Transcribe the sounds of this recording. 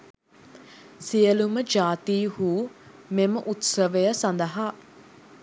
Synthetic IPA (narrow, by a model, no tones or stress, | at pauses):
sijəluməd͡ʒaːt̪iːhuː | meməʔut̪səʋejəsɐnd̪ɐɦaː